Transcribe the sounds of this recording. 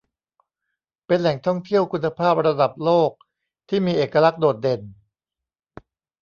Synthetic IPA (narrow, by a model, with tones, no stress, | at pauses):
pe˧nlɛ˨˩˦ŋt̪ʰɔ˥˩ŋt̪ʰi˥˩əwkʰu˧nːa˧pʰaː˥˩p̚ɾa˧da˨˩p̚loː˥˩k̚ | t̪ʰiː˥˩miː˧ʔeː˨˩kːa˧la˦˥k̚doː˨˩t̪̚de˧n